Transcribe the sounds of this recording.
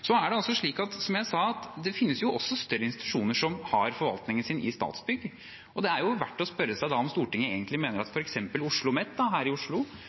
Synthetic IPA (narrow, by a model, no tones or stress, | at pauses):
sɔæɖɛɑlsɔʂɭiːkɑt̪sɔmjæɪsɑːɑt̪d̪ɛfɪnːəsjʊʔɔsːɔst̪œɾːəɪnst̪ɪt̪ʉ̥ʂuːnəʂɔmhɑɾfɔɾʋɑ̰lt̪nɪŋənsɪnɪ̰st̪ɑ̰ːt̪sbʏɡːə | ɔd̪ɛæɾjʊʋæʈːɔspœɾːəsæɪd̪ɑɔmst̪uːʈɪŋːəeːɡənt̪lɪmeːnəɾɑt̪fɔɾɛksɛmpəlʊʂɭʊmɛt̪ːd̪ɑɦæːɾɪʊʂɭʊ